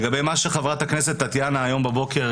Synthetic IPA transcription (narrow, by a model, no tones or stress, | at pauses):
ɡabejmaʃeχavʁat̪akneset̪ːat̪janaːjo̞mbabo̞ke̞ʁ